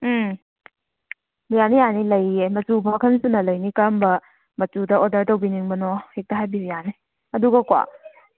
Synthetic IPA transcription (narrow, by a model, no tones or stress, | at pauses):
bijanijanilɐjemɐt͡ʃubɐmɐkʰɐnsunɐlɐjnikɐmbɐ | mɐt͡ʃudɐɔdɐɾtɐwbiniŋbɐnɔhek̚tɐɦajbiɾijani | ɐduɡɐkwa̰